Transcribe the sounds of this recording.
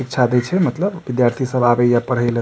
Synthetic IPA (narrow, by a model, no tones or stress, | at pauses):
ik̚t͡ʃʰad̪et͡ʃʰɛmət̪ləbːid̪jaɾt̪ʰisəbabəjapəɽ̤ɦəɪl